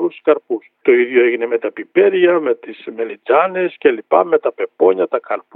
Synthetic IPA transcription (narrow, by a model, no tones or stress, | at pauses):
ɾuskɐɾpust̪o̞iðʝo̞e̞ʝine̞me̞t̪ɐpipe̞ɾʝɐme̞t̪isme̞lid͡zɐne̞sce̞lipɐ̰me̞t̪ɐpe̞po̞ɲɐt̪ɐkɐɾp